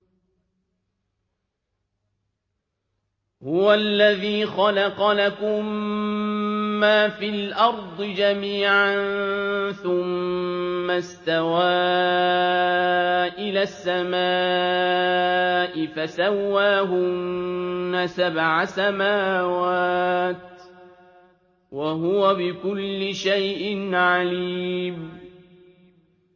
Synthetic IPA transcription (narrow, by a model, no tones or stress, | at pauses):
hʊwalːaðiːxɑlɑqɑlakʊm | aːfiːlʔɑɾˤd̪ˤɨd͡ʒamiːʕanθʊmː | ast̪awaː | ʔɪlaːsːamaː | ʔɪfasawːaːɦʊnːasabʕasamaːwaːt̪ | waɦʊwabɪkʊlːɪʃajʔɪnʕaliːm